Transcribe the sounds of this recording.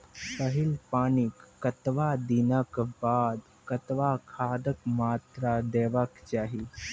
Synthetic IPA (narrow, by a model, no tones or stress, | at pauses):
səɦilpaːnikːət̪ʋad̪inəkbaːd̪ | kət̪ʋakʰaːd̪əkmaːt̪ɾad̪eːʋakt͡ʃaːɦi